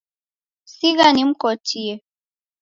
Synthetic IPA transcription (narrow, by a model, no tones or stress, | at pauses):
siɣanim̩kɔtiɛ